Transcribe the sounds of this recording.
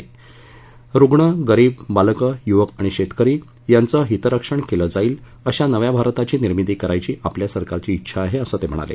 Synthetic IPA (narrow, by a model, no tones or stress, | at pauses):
ɾuɡɳəɡəɾiːbbalkəjuʋəkaɽ̃iɕet̪kəɾiː | jant͡səɦit̪əɾəkʂəɳkeləd͡zaiːl | əɕanəʋjabʱaɾt̪at͡ɕiːniɾmit̪iːkəɾajt͡ɕiːʔapljasəɾkaɾt͡ɕiːtːɕʰaːɦeəsəːt̪em̤əɽ̃a̰lḛ